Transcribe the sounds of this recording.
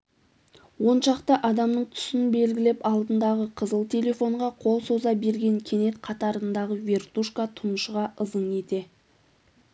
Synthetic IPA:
wo̞nʃɑqt̪əʔɑd̪ɑmnəɴt̪ʰʏ̥sɪnbe̞lɡʲɪle̞pɑlˠd̪ənd̪ɑʁəqʰəzəlˠt̪ʲʰe̞le̞fo̞ɴʁɑqʰo̞lˠso̞zɑbe̞ɾɡʲe̞ŋkʲʰe̞ne̞t̪qʰɑt̪ɑɾənd̪ɑʁəvʲe̞rt̪uʃkat̪ʰʊnəʃʁɑʔəzəɴe̞t̪e̞

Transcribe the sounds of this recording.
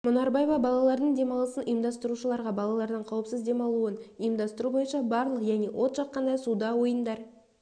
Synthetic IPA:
monɑɾbɑjvɑbɑlˠɑlˠɑɾd̪əɴd̪e̞mɑlˠəsənʔʊjəmd̪ɑst̪əɾuʃəlˠɑɾʁɑbɑlˠɑlˠɑɾd̪əɴqʰɑwəpsəzd̪e̞mɑlˠuənəjəmd̪ɑst̪əɾubo̞jənʃɑbɑɾlˠəqʒæne̞wʔo̞t̪ʃɑqːɑnd̪ɑjsud̪ɑwo̞jənd̪ɑɾ

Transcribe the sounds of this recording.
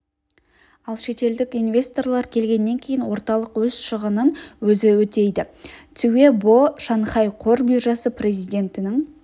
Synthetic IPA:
ɑlˠʃe̞t̪e̞ld̪ɪkijnvʲe̞st̪o̞rlˠɑɾkʲʰe̞lɡʲe̞nːe̞ŋkʲʰe̞jɪnwo̞ɾt̪ɑlˠəqwɵz̥ʃəʁənənwɵzɪwɵt̪e̞jd̪ɪt̪ʰʏwe̞boʃɑnχɑjqʰo̞ɾbiʒɑsəprʲe̞zijd̪ʲe̞nt̪ɪnɪŋ

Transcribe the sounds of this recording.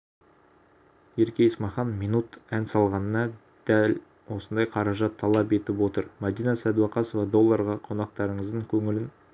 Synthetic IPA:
je̞ɾkʲe̞jəsmɑχɑnminut̪ænsɑlˠʁɑnənɑ | d̪̥æl | wo̞sənd̪ɑjqʰɑɾɑʒɑt̪ʰːɑlˠɑpe̞t̪ɪpwo̞t̪əɾmɑd̪ijnɑsæd̪uɑqɑso̞vɑd̪o̞lˠːɑɾʁɑqʰo̞nɑqt̪ɑɾəɴəzd̪əŋkʲʰɵŋɪlɪn

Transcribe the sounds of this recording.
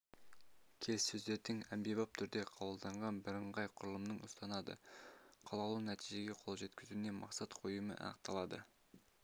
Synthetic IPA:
kʲʰe̞ssɵzd̪eɾt̪ɪŋæmbebɑp̚t̪ʰʏɾd̪e̞qʰɑbəlˠd̪ɑɴʁɑnbɪɾəɴʁɑjqʰʊɾəlˠəmnəɴʊst̪ɑnɑd̪ə̰qʰɑlˠɑlˠunæt̪ʰijʒe̞ɡʲe̞qʰo̞lˠʒe̞t̪kʲɪzune̞mʔɑ̰qsɑt̪qʰo̞jəmə̰ʔɑ̰nəq̚t̪ɑlˠɑd̪ə̰

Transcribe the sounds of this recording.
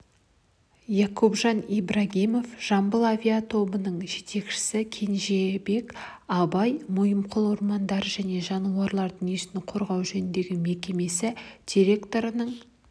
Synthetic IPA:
jɑkobʒɑnijbrɑɡʲimo̞fʒ̥ɑmbəlˠavʲiat̪ʰo̞bənəɴʒe̞t̪e̞kʃɪ̥sɪkʲʰe̞nʒe̞be̞k | ɑbɑjmʊjəmqʰəlˠoɾmɑnd̪ɑɾəʒæne̞ʒɑnuɑɾlˠɑɾd̪əʏŋijesɪnɪqʰo̞ɾʁɑwʒɵnɪnd̪e̞ɡʲɪme̞kʲe̞me̞sɪd̪̥ʲiɾʲe̞kt̪o̞ɾənəɴ

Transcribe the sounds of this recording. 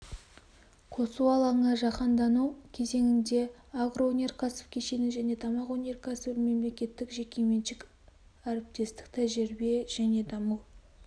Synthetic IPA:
qʰo̞suɑlˠɑɴəʒɑqɑnd̪ɑnukʲʰe̞ze̞ŋɪnd̪e̞aɡroonʲe̞rkʰɑsə̥fkʲʰeʃe̞nɪʒæne̞t̪ʰɑmɑqwonʲe̞rkʰasəvɪlme̞mle̞kʲe̞t̪ːɪkʒe̞kʲeme̞nʃɪk | æɾɪp̚t̪e̞st̪ɪ̥k̚t̪ʰæʒɪɾbe̞ʒ̥æne̞d̪ɑməw

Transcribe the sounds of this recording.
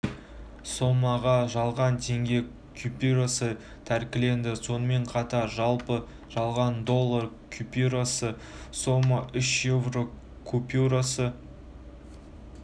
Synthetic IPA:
so̞mɑʁɑʒɑlˠʁɑnt̪ʰe̞ŋɡʲe̞ | kʲʰupʲuɾasə | t̪ʰæɾkʲɪle̞nd̪ɪso̞nəme̞ɴqʰɑt̪ɑɾʒɑlˠpə | ʒ̥ɑlˠʁɑnd̪o̞lˠːar | kʲʰupʲuɾasə | so̞mɑʔʏʃjevro̞ | kʰupʲjuɾasə

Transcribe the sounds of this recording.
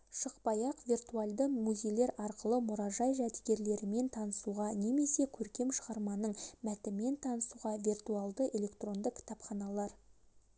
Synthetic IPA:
ʃəqpɑjɑqvirt̪ualˠd̪əmuze̞jle̞ɾɑɾqəlˠəmʊɾɑʒɑjʒæd̪ɪɡʲe̞ɾle̞ɾɪme̞nt̪ʰɑnəsuʁɑne̞me̞se̞kʲʰɵɾkʲe̞mʃəʁɑɾmɑnəɴmæt̪ɪme̞nt̪ʰɑnəsuʁɑvʲirt̪ualˠd̪əʔe̞lʲe̞kt̪ro̞nd̪əkʲʰɪ̥t̪ɑpχɑnɑlˠɑɾ

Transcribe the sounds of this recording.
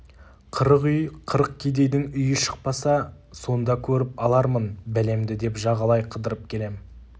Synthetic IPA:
qʰəɾəqʏjqʰəɾəq̚kʲʰejd̪e̞jd̪ɪŋʏjɪʃə̥q̚pɑsɑso̞nd̪ɑkʲʰɵɾɪpɑlˠɑɾmənbæle̞md̪ɪd̪e̞pʒɑʁɑlˠɑjqʰəd̪əɾəp̚kʲʰe̞le̞m

